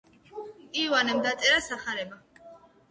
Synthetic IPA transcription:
iwanɛmd̪at̪sʼɛɾasaχaɾɛba

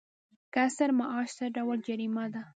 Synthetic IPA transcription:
kasaɾmaʔɑʃd̪aɖawald͡ʒaɾimad̪a

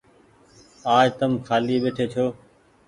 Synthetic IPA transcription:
aːd͡ʒt̪əmkʰaːliːɓeːʈʰeːt͡ʃʰoː

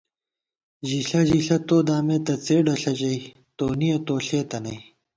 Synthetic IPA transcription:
ʑiɬɐʑiɬɐt̪oːd̪aːmeːt̪ɐt͡seːɖɐɬɐʑɐi | t̪oːnijɐt̪oːɬeːt̪ɐnɐi

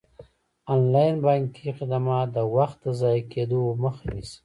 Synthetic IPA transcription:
anlɑjnbaŋkiqɪd̪amɑt̪d̪əwaxt̪̚d̪əzɑjked̪oməxanis

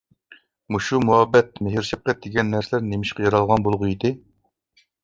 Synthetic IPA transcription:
muʃumuɑbːɛt̪̚meɦɪɾʃɛp̚qɛt̪̚d̪eɡʲɛnːæɾsɪlæɾnemɪʃqɛjɑɾɑlˠʁɑnbolˠʁʊjid̪ɪ

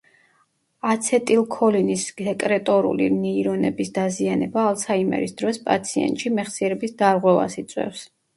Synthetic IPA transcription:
at̪sʰɛt̪ʼilˠkʰɔlinisɛkʼɾɛt̪ʼɔɾṵlḭnɛiɾɔnɛbisd̪azianɛbaːlˠsʰaimɛ̰ɾisd̪ɾɔspʼa̰t̪sʰiɛ̰nt̪ʼʃimɛχsiɛɾɛbisd̪aɾʁwɛva̰sit̪sʼwɛ̰fs

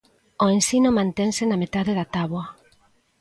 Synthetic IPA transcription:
oensinʊmãnt̪ɛŋsɪnamet̪aðeðat̪aβwɐ

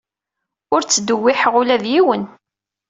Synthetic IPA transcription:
ʊɾt͡sːəd̪əwːɪħʁʊlæðjiwən

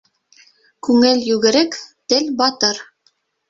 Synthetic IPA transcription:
kʉŋɘlʲjʉɣɘ̆ɾɘkt̪ɘlbɑt̪ɤɾ

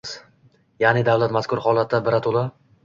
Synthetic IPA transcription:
s | janɪd̪avlat̪maskʰʲʊɾhɒlˠat̪ʰːabɪɾat̪ʰolˠa

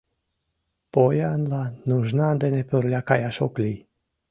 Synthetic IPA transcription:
pojanlanuʒnand̪enepəɾlʲjakajaʃokli

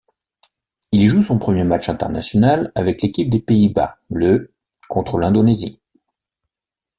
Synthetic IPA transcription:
ilʒusɔ̃pχəmjemat͡ʃɛ̃t̪ɛ̰ʁna̰sjɔnalavɛklekʲip̚d̪epeiba̰lə | kɔ̃t̪χəlɛ̃d̪onezḭ

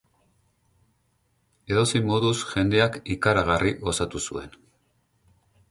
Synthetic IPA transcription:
e̞ðo̞simo̞ðusʝe̞nd̪e̞akikaɾaɣarʔiɣo̞sat̪usue̞n

